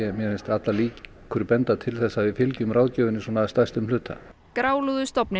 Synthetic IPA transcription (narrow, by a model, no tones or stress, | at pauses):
ɛmjɛhɛnst̪at̪laliːc | kʰʏɾpɛnt̪at̪ʰɪlθɛsːavɪðfɪlcʏmraːwðcœːvʏnɪsɔːnaːst̪ajst̪ʏmlʏːt̪ʰa̰ | kɾaːwluðʏst̪ɔpnɪ